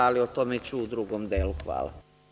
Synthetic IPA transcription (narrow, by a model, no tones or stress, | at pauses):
aliot̪omet͡ʃuːd̪ɾuɡomd̪eluxʋa̰ːla̰